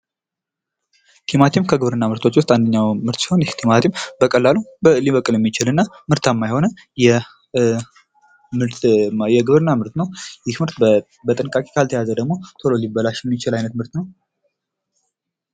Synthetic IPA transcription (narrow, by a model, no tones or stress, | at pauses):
t̪ʰimat̪ʰimkʰəɡɨβɾɨnːamɨɾt̪ʰo̞t͡ʃːwʊst̪ʼand̪əɲːawmɨɾt̪si̥ho̞njt̪ʰimat̪ʰimbəkʼəlːalubəɨlːiβəkʼɨljɛmːit͡ʃɪlɨnːamɨɾt̪ʰamːajho̞nə | jɛ | mɨɾt̪jɛɡɨβɾɨnːamɨɾt̪nəwjɪxmɨɾt̪ | bət̪ʼɨnkʼakʼe̥kʰalt̪ʰəjazəd̪əɡmo̞t̪ʰololibːəlaʃjɛmːit͡ʃɪlajnət̪mɨɾt̪nəw